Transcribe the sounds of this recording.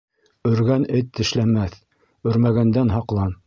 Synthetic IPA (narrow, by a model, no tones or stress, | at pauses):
ɵ̆ɾɡænɘt̪ːɘ̆ʃlæmæθ | ɵ̆ɾmæɣɡænd̪ænɦɑqlˠɑn